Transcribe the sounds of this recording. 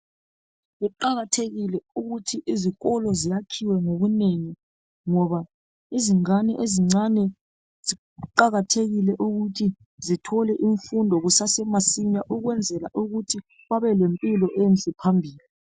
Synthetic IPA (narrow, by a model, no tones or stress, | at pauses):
ɣuǃaɣatʰeɣilɛuɣutʰiʔiziɣɔlɔzijakʰiwɛŋoβuneŋi | ŋɔβa | iziŋanɛ̰ʔeziŋ͡ǀanɛ | zi | ǃaɣatʰeɣilɛʔuɣutʰi | zitʰɔlɛʔiɱfundʱɔɣusasɛmasiɲaʔuɣwɛnd͡zʱɛla̰ʔuɣutʰi | ɣaβɛlempʼilɔʔent͡ɬʼipʰambʱiːli